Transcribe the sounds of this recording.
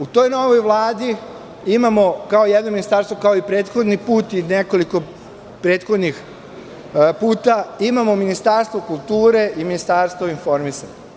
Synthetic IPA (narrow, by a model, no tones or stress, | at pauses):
ut̪o̞jno̞ʋo̞jʋlˠaːd̪i | imamo̞kaojed̪nominist̪aːɾst̪ʋokaoipɾe̞ːt̪xo̞d̪nipuːt̪ineko̞liko̞ | pɾe̞ːt̪xo̞d̪nix | puːt̪aimamo̞minist̪aɾst̪ʋokulˠt̪uːɾeʔiminist̪aːɾst̪oinfo̞ɾmisaɲ